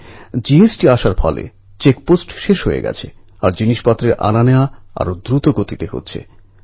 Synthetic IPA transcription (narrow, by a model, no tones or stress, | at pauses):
d͡ʑiesʈiaʃaɾbʱʰɔ̰lḛ | t͡ɕekposʈʃeʃɦojḛɡɛ̰t͡ɕʰe | a̰ɾd͡ʑiniʃpat̪ːɾeɾʔa̰nanewaa̰ɾod̪ɾut̪oɡot̪it̪eɦo̰tːɕʰḛ